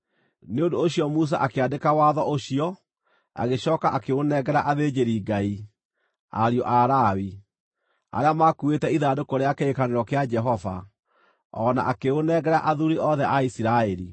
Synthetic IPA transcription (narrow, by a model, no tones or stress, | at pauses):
neondoːɕiɔmus̬a̰ʔakeadekawaðɔʔoɕiɔ | a̰ɣeɕɔːkaʔakeonɛɣɛɾaʔaðed͡ʑeɾiɡai | a̰ɾjɔʔaɾawi | a̰ɾeamakuetɛiðadokoɾeakeekaneɾɔkead͡ʒɛɦɔva̰ | ɔna̰ʔakeonɛɣɛɾaʔaðuɾiʔɔðɛʔaisiɾaɛɾḭ